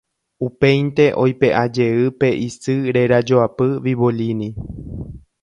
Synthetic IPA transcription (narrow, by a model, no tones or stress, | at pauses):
upẽ̞jnt̪e̞ʔo̞jpe̞ʔad͡ʒe̞ɨpe̞ʔisɨɾe̞ɾad͡ʒoapɨʋiβolinĩ